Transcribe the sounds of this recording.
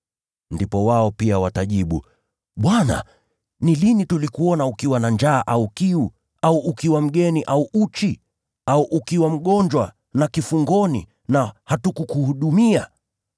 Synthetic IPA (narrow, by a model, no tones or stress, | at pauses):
ndipɔwaɔpiawataʄiɓṵ | ɓwana̰ | nilinitulikuɔnaukiwanand͡ʒaːʔaukiu | auʔːkiwam̩ɠɛniʔauʔut͡ʃi | auʔukiwam̩ɠɔɲd͡ʒwa | nakifuŋɡɔnḭ | nahatukukuhuɗumia